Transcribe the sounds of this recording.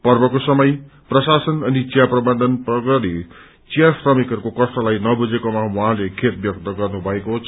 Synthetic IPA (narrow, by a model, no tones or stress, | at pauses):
pʌrbʌkosʌmʌj | prʌsasʌnʌnit͡sijaprʌbʌnd̪ʱʌnprʌɡʌɾi | t͡sijasrʌmikʌrkokʌsʈ̪ʌlajnʌbud͡zekomawuɦãlekʰet̪̚bjʌk̚t̪ʌɡʌrnubʱʌekot͡sʰ